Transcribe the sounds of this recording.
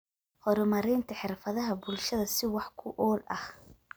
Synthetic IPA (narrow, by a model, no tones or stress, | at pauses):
hɔɾɔmɐɾɪːnt̪ʰɐħɪrfɐðɐɦɐbʊlʃɐðɐsɪwɑħkʰʊʔɔːlɐ̰h